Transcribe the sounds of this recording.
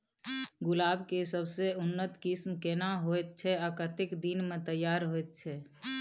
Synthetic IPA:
ɡʊlaːbkesəbseʊnːət̪kɪsmkenaɦojt̪̚t͡ʃʰɛakəɾt̪ɪkd̪inmẽt̪əjːaːɾɦoet̪̚t͡ʃʰɛ

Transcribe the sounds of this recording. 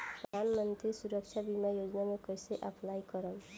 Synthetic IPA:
pʌd̪ʱanmʌnt̪ɾisuɾʌk̚t͡ʃʰabimajoɡnamokʌjseʔapʰlajkʌɾʌm

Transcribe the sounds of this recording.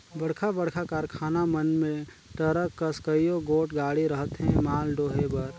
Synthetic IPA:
bəɽ̤kʰabəɽ̤kʰakaːɾkʰaːnamənmẽ | ʈ̪əɾəkːəskəijoɡoːʈɡaːɽiɾəɦət̪ɦɛ̃maːlɖoːɦebəɾ

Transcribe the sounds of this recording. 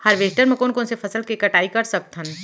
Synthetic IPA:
hɐɾʋeːʈəɾmɐkoːnkõnsefʰɐsəlkekɐʈaːikɐɾsɐb̚t̪ʰən

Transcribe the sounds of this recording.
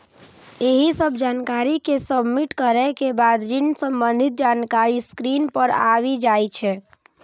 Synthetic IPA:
eɦisəbʱd͡ʒankaɾikesəbmiʈkəɾɛkebad̪ɾinsəmbənd̪ʱit̪̚d͡ʒankaɾiskɾinpəɾaʋid͡ʒajt͡ʃʰɛ

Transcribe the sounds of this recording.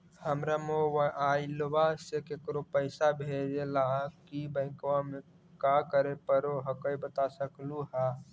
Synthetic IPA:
həmɾamoʋailʋasekekɾopəɪsabʱeɾelakibə̃ɪ̃kʋame | kakəɾepəɾoɦəkəibət̪asəkluɦa

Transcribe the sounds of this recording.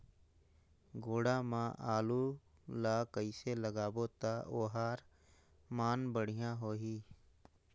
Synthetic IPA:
ɡoːɽaːmãːʔaːluː | laːkəiːseləɡaːboːt̪aːʔoːɦaːɾ | maːnbəɽ̤ijãːɦoːɦiː

